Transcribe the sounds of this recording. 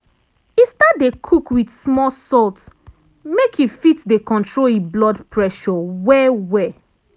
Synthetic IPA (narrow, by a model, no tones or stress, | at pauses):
istadekʰukwidsmɔsɔlt | mekʰifitdekɔ̃ntʰɹoiblɔdpʰɹɛʃɔwɛwɛ